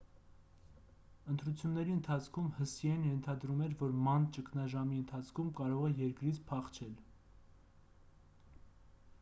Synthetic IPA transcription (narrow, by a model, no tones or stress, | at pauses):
ənt̪ɾut͡sʰjunːɛɾiənt̪ʰɑt͡sʰkʰumhəsiɛnjɛnt̪ʰɑd̪ɾumɛɾvɔɾmɑnt͡ʃəkʰnɑʒɑmiənt̪ʰɑt͡sʰkʰumkɑɾɔʁɛjɛɾkɾit͡sʰpʰɑχt͡ʃʰɛl